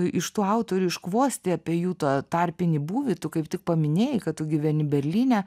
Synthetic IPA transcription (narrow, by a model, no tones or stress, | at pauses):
ɪʃt̪uːɐʊt̪oːɾʲuːɪʃkʋoːsʲt̪ʲɪɑpʲiːjuːt̪ɑt̪ɑːrʲpʲɪnʲɪbuːʋʲɪt̪ʊkɐɪp̚t̪ʲɪk̚pɐmʲɪnʲeːjɛkɐtt̪ʊɡʲɪʋʲɛnʲɪbʲɛɾʲlʲiːnʲæ